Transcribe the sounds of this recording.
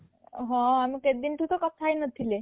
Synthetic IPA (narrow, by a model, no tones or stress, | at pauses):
ɦɔ̃amiked̪inʈ̪ut̪ɔkɔp̚t̪ʰajnət̪ʰile